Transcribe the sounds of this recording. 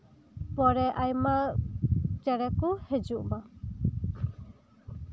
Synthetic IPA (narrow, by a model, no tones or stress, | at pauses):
pɔɾɛʔajma | t͡ʃɛɾɛkuhɛd͡ʒuʔma